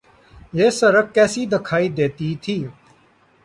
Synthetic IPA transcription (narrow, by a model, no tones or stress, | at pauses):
jeːsəɾəkkːɛːsiːd̪ɪkʰaːiːd̪eːt̪iːt̪ʰiː